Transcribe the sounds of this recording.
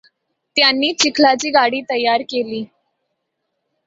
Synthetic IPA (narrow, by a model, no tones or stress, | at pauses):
t̪janːiːt͡ɕikʰlat͡ɕiːɡaɽiːt̪əjaɾkeliː